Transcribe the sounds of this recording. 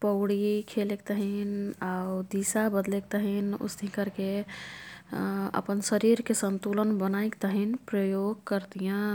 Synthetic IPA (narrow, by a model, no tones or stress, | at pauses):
pəʊɽikʰelek̚t̪əɦinaud̪isabəd̪lek̚t̪əɦinṵsd̪ʱĩkəɾke | ə̰pənsəɾiɾkesənt̪ulənbənaikt̪əɦinpɾəjoɡkəɾd̪ijã